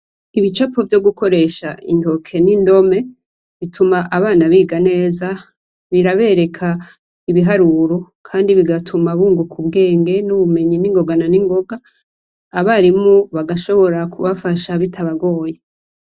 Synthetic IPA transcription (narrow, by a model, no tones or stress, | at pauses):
iβit͡ʃapovjo̞ɡuko̞ɾe̞ʃaḭntʰo̞kʰe̞nindo̞me̞ | βitʰumaʔaβaːnaβiːɡane̞ːza | βiɾaβe̞ɾe̞kʰa | iβiɦaɾuɾo̞kʰaːndiβiɡatʰumaβuːŋɡukʰubɡe̞ːŋɡe̞nuβume̞ɲiniŋɡo̞ɡananiŋɡo̞ɡaː | βaɾimoβaɡaʃo̞βo̞ɾakʰuβafaʃaβitʰaβaɡo̞ːje